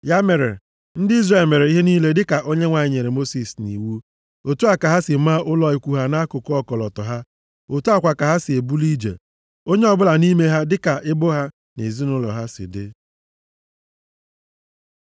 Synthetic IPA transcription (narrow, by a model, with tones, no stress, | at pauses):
ja˦me˨ɾḛ˨ | n̩˦dɪ˦i˦zre˦˨lme˨ɾe˨i˦ɦe˦ni˦le˦dɪ˦ka˨ʔo˦ɲe˦ŋʷa˨ɲɪ˦ɲe˨ɾe˨mo˦si˨snḭ˨wu˦ | o˨tu˦a˦˨ka˨ɦa˦sɪ˨ma˦ʔʊ˦lɔ˨i˨kʷu˨ɦa˦na˦kʊ˨kʊ˦ɔ˦kɔ˨lɔ˨tɔ˨ɦa˦ | o˨tu˦a˦˨kʷa˨ka˨ɦa˦sɪ˨e˨bu˦li˦d͡ʒḛ˨ | o˦ɲe˦ɔ˦bʊ˦la˨ni˦me˦ɦa˦dɪ˦ka˨ʔɪ˦bʊ˦ɦa˦ | ne˨zi˦nʊ˦lɔ̰˨ɦa˦sɪ̰˨dɪ̰˦